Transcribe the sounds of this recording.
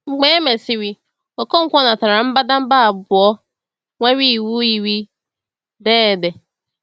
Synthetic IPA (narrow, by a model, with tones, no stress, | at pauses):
ŋ͡m̩˨ɡ͡bɛ̃ː˦mɛ˨sɪ˦wi˨ | ɔ˨kʰɔ̃˦ŋ̩˦kʷɔ̃˦nã˨tʰa˨ã˨˦m̩˦ba˦dã˦m˦baː˦˨bʊ˨ɔ˦ | wã˦wi˦˨wu˦ji˨wi˦ | dɛː˦˨dɛ˨